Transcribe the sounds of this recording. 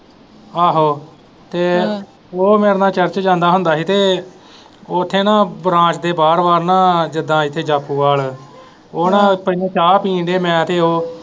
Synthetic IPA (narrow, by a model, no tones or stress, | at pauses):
aːɦoː | t̪eː | oːmeːɾnãːt͡ʃəɾt͡ʃd͡ʒãːnd̪aːɦʊnd̪aːsiːt̪eː | oːt̪ʰːeːnãːbɾãːt͡ʃd̪eːbaːɾbaːɾnãːd͡ʒəd̪ãːɪt̪ʰːeːd͡ʒaːpʰːuːʋaːl | oːnãːpəãːt͡ʃaːpiːɳɖeːmɛ̃ːt̪eːoː